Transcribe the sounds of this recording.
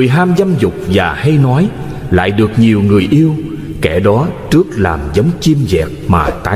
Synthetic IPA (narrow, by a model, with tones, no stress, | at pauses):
ɨ˨˩əjɦaː˧mza˧mzʊ˨˩k͡p̚vaː˨˩ha˧jnɔ˨˦j | la̰ː˧˨jɗɨ˨˩ək̚ɲi˨˩əwŋɨ˨˩əjʔi˧əw | kɛ˧˩ɗɔ˨˦t͡ɕɨ˦˥ək̚laː˨˩mzə˨˦wŋ͡mt͡ɕi˧mzɛ̰˨˩k̚maː˨˩t̪aː˨˦